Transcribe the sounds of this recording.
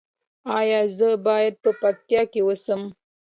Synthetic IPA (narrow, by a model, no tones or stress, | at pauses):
ɑjɑzəbɑjad̪̚pəpak̚t̪jɑkewəsəm